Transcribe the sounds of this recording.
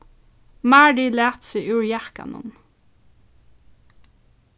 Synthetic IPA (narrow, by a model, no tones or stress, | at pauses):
maːɖilæːt̪sɪʔʉːɹjahka̰nʊ̰n